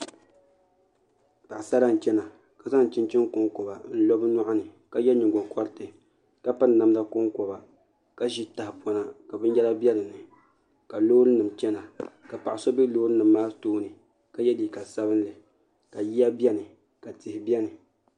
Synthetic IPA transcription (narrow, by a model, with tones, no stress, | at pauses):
ta˨ʔsa˦la˦n̩˨t͡ʃɛ˦na˨ | ka˨za˦n˨t͡ʃɪ˦n˦t͡ʃɪ˦ŋkʊ˦ŋkɔ˨ba˨n̩˦lɔ˦bɨ˦na˦ʔa˦nɨ˨ka˨jɛ˦ɲi˨ɡɔ˨ŋkɔ˦ɾtɨ˨ | ka˦pɨ˦n˦na˨m˦la˦kʊ˦ŋkɔ˨ba˨ | ka˦ʒi˦ta˨hpɔ˨na˨ka˨bɨ˦n˦jɛ˦la˦bjɛ˦lɨ˨nɨ˨ | ka˨loː˦ɾɨ˦nɨ˨mt͡ʃɛ˦na˨ | ka˨pa˨ʔa˨sɔ˦bi˦loː˦ɾɨ˦nɨ˨mːaː˦toː˦nɨ˨ | ka˨jɛ˦liː˨ka˨sa˦bɨ˦n˦lɨ˨ | ka˨ji˦a˦bɛ˦nɨ˨ | ka˨tɪ˨hɪ˨bjɛ˦nɨ˨